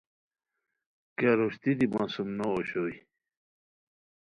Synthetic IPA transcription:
kaɾoɕt̪id̪imaːsumnoːɕoi

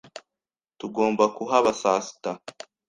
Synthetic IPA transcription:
tuɡo̞ːmbakuɦaβasaːsi̥ta

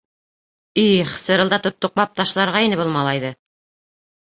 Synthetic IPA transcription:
iχsɤ̆ɾɤ̆lˠd̪ɑt̪ŏt̪ːŏq̚mɑp̚t̪ɑʃlˠɑɾʁɑinɘbulˠmɑlˠɑjðɤ

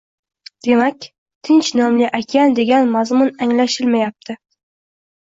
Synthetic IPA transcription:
d̪̥e̞makʲ | t̪ʰɪnt͡ʃnɒmlɪʔakʲʰand̪e̞ɡʲanmazmʊnaŋlaʃɪlmajap̚t̪ʰɪ

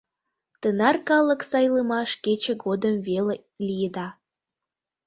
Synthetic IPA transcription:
t̪ənɑrkɑləksɑjləmɑʃket͡ɕə̆ɡod̪əmvele | lʲijəd̪ɑ

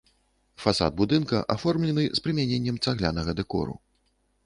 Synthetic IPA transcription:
fasa̰d̪̚bud̪ɨnkɐ̰ʔafɔrmlʲɛnɨspɾɨmʲanʲenʲːɛmt̪saɣlʲanɐɣɐd̪ɛkɔ̰ɾṵ

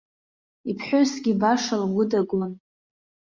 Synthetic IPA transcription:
ipʰħʷosɡʲibaʂalɡʷʊdaɡlan

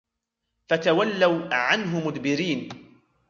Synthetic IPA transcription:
fat̪awalːawʕanɦʊmʊd̪bɪɾiːn

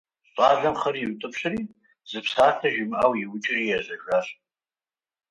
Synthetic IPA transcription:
ɕʼaːɮɐmχɐɾitʼɨpʰɕɨriː | zɨpsaːtʰɐʒɪmʔawiwʊt͡ʃʼɪrijɛzɐʒʷaɕʼ

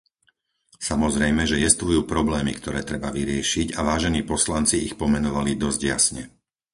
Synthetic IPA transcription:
samɔzɾɛjmɛʒɛjɛst̪ʋujuːpɾɔblɛːmḭkt̪ɔɾɛːt̪ɾɛbaʋiɾɪɛʃiɟaʋaːʒɛniːpɔslant͡siixpɔmɛnɔʋalid̪ɔzɟja̰sɲɛ̰

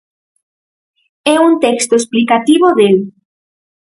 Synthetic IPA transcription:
ɛunt̪ɛkst̪oesplikat̪iβoðel

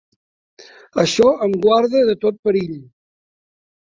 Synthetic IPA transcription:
əʃɔəmɡwaɾðəðət̪ot̪̚pəɾiʎ

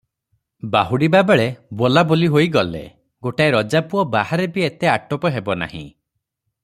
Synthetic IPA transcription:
baɦuɽibabeɭebolaboliɦoiɡɔlḛ | ɡoʈaeɾɔd͡ʒapuɔbahaɾebiet̪eaʈɔpɔɦebɔna̰hḭ̃

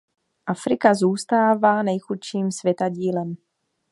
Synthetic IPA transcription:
ʔafɾɪkazuːst̪aːvaːnɛjxut̪ʃiːmsvjɛt̪aɟiːlɛm

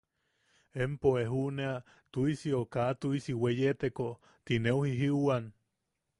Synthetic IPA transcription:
empoeɦunea | t̪uisiokaʔt̪uisiwejet̪eko | t̪ineuhiɦiuwan

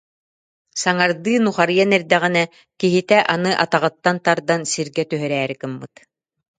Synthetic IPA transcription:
saŋaɾd̪ɯːnuχaɾjanɛɾd̪ɛʁinɛ | kiɦit̪ɛʔanɯʔat̪aʁɯt̪ːant̪aɾd̪ansiɾɡɛt̪yɦœɾɛːɾikɯmːɯt̪

